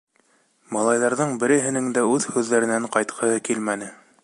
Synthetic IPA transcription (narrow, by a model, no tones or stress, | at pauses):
mɑlˠɑjðɑɾðɤɴbɘ̆ɾɘ̆ɦɘ̆nɘŋd̪æʉðhʉðːæɾɘ̆næɴqɑjt̪qʰɤ̆hɤkilmænɘ